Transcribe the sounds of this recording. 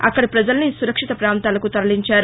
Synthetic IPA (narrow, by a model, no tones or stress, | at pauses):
a̰kɐɽpɾɐd͡zɐlnisuɾɐkʂit̪ɐpɾaːmt̪alɐkut̪ɐɾliɲt͡ɕaɾ